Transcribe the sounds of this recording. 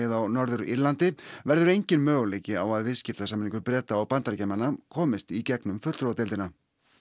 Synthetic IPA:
ɪðawnɔɾðʏɾḭɾlant̪ɪvɛɾðʏɾejɲcɪnmœːɣʏleːjcɪawaðvɪðscɪft̪asamɪniŋkʏɾpɾɛːt̪aːwpant̪aɾcɛmanakʰɔːmɪst̪icɛknʏmfʏt̪lɾowat̪ɪlt̪ɪna

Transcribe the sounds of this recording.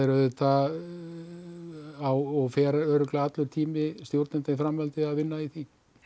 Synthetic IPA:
ɛɾʏðʏt̪ʰa | awɔɣfɛːɾaœːɾʏklaat̪lʏɾ̥t̪ʰiːmɪst̪jowɾt̪nɪnt̪afɾamvɛlt̪ɪaðvɪnːaiθi

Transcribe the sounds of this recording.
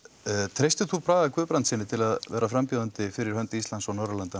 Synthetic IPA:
t̪ʰɾejst̪ʏθupʰɾaːðakvʏːpɾant̪sɪnːɪt̪ʰɪlaðvɛ̰ːɾʔafɾampjuðant̪ɪfɪɾɪɾ̥hœnt̪ɪist̪lansawnɔɾalant̪a

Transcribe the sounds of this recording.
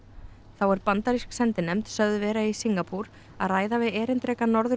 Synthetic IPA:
θawɛɾpant̪aɾisksɛnt̪ɪnɛmt̪sœðʏvɛːɾaisiŋkapʰuɾ | aðraːjðavɪðɛːɾɪnt̪ɾɛːkanɔɾðʏ

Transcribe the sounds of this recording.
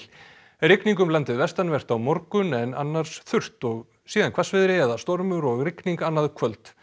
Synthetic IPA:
rɪkniŋkʏmlant̪ɪðvɛst̪anvɛr̥t̪awmɔɾkʏnɛna̰nːaɾ̥sθʏr̥t̪ɔɣ | siːðankʰvasvɪðɾɪɛɾðast̪ɔɾmʏɾɔɣrɪkniŋkanːaðkʰvœlt̪

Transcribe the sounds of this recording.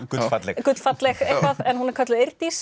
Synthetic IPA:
ʏfat̪lɛkʏt̪l̥fat̪lɛxejkvaðɛnhunɛɾkʰœt̪lʏeɾt̪is

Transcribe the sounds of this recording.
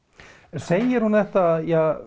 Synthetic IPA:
seːjɪɾ̥hunðɛht̪aðjɛɣ

